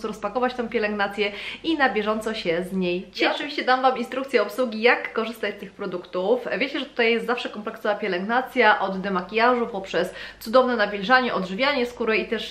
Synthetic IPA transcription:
sɾɔspakɔvat͡ɕt̪ɛ̃w̃pʲjɛlɛŋɡnat̪sʲjɛinabʲjɛʐɔnt̪sɔɕɛzɲejt͡ɕiɔt͡ʂɨvʲiɕt͡ɕɛd̪amvaminst̪ɾukt̪sʲjɛɔpswuɡʲijakːɔʐɘst̪at͡ɕst̪ɘxpɾɔd̪ukt̪ufvʲjet͡ɕɛʐɛt̪u̥t̪ajɛst̪zafʂɛkɔmplɛksɔvapʲjɛlɛŋɡnat̪sʲjaʔɔd̪ːɛmakʲijaʐupɔpʂɛst̪sud̪ɔvnɛnavʲilʐaɲɛʔɔd̪ʐɘvʲjaɲɛskuɾɛit̪ɛʂ

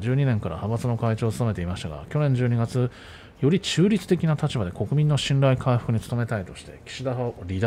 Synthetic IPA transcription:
d͡ʑɨːɲ̟inẽ̞ŋkaɾa̰habat͡sɨno̞kait͡ɕo̞ːsɨ̥some̞t̪e̞imaɕi̥t̪aɡa̰kʲo̞nẽɲ̟d͡ʑɨːɲ̟iɡat͡sɨ | jo̞ɾʲit͡ɕɨːɾʲit͡sɨ̥t̪e̞kʲinat̪at͡ɕibad̪e̞ko̞kɯ̟mʲĩnːo̞ɕĩnɾaikʰaiɸɯ̥kɯ̟ɲ̟it͡sɨ̥t̪o̞me̞t̪ait̪o̞ɕi̥t̪e̞̰kʲi̥ɕid̪aɦaɾʲid̪a

